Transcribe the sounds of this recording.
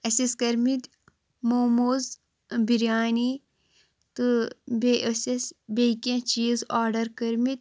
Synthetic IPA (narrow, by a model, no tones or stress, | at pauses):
ɐsiskɐɾmit̪ʲ | moːmoːz | biɾjaːni | t̪ɨbeʔɐsesbʲekʲẽt͡ʃiːzaːɾɖɐɾkɐɾmit̪̚ʲ